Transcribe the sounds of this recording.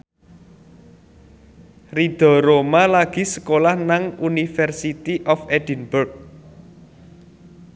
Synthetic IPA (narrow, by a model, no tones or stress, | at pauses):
rid̪̥ɔ̤ɾomalaɡ̥i̤sə̥kolahnaŋunifɛrsit̪iʔɔfɛd̪̥inburk̚